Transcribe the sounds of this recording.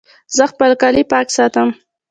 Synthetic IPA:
zəxpəlkɑlipɑksɑt̪əm

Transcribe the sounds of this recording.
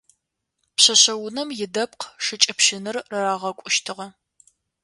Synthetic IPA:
pɕɐɕɐwʊnɐmjɪdɐp̚qʰʂɨt͡ʃʼɐpʃɪnɨrrɐɾaːʁɐkʷʼʊʃtʰɨʁɐ

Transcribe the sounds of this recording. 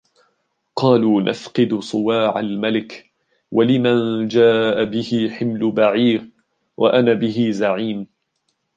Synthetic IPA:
qɑːluːnʔa̰fqɨd̪sˤɨwaːʕalmalɪk | wʔalɪmand͡ʒaːʔabɪhɪħɪmlʊbaʕiːɾ | wʔa̰ʔanaːbɪɦɪzaʕiːm

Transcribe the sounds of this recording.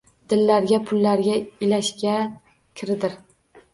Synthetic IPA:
d̪̥ɪlːaɾɡʲapʰʊlːaɾɡʲaɪlaʃkʲa | kʲʰɪɾɪd̪ɪɾ

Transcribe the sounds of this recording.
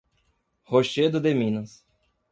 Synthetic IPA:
hoʃed̪ʊd̪emĩnɐs

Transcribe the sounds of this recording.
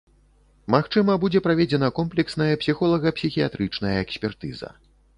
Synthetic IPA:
maxt͡ʂɨmɐbud͡zʲɛpɾavʲed͡zʲɛnɐkɔmplʲɛksnɐjɐpsʲixɔlˠɐɣɐpsʲixʲijat̪ɾɨt͡ʂnɐjɐɛksʲpʲɛrt̪ɨ̰zɐ̰

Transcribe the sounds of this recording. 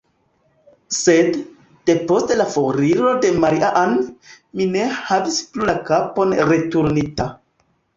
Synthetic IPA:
se̞d̥ː | e̞po̞ste̞lafoɾiɾo̞de̞maɾiʔaʔan | mine̞havisplulakapo̞nɾe̞tuɾnita

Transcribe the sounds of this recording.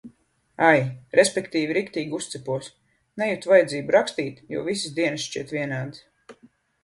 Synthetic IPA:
ajɾespʲɛkt̪iːviɾikt̪iːɡust̪sɛpuɔs | nɛjut̪vajɛd̪zʲiːbuɾakst̪iːt̪jṵɔvisisd̪iɛnsʃt͡ʃiɛt̪viɛnaːd̪is

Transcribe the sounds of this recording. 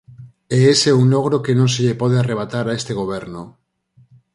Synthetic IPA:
eese̞unlo̞ɣ̞ɾoke̞nõns̬eʎepoðeare̞β̞at̪aɾaest̪e̞ɣ̞o̞β̞e̞ɾno

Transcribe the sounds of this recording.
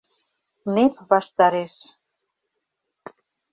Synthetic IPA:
nepβɑʃt̪ɑɾeʃ

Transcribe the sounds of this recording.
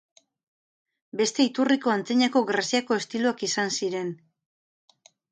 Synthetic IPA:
be̞st̪e̞it̪uriko̞ant͡seɲako̞ɣɾasiako̞e̞st̪iluakisansiɾe̞n

